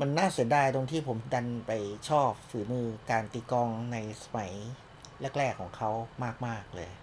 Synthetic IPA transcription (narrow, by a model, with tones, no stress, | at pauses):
ma˧nːaː˥˩si˨˩˦daː˧˩jt̪o˧ŋt̪ʰiː˥˩pʰo˩˦mda˧npa˧jt͡ɕʰɔː˥˩p̚fɯː˩˦mɯː˧kaː˧nt̪iː˧˩kɔː˧ŋna˧jsḁ˧ma˩˦j | lɛ˦˥˩k̚lɛː˥˩kʰːɔː˩˦ŋkʰa˦˥wmaː˥˩k̚maː˥˩k̚lɤ̰ː˧j